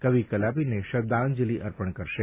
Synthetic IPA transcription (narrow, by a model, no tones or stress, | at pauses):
kəʋikəlapineʃəb̚d̪and͡ʒiliʔəɾpəɳkəɾʃe